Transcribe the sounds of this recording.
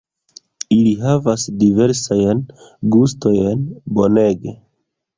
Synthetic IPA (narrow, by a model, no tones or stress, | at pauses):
iliɦavasdive̞ɾsajnɡustojenbo̞ne̞ɡe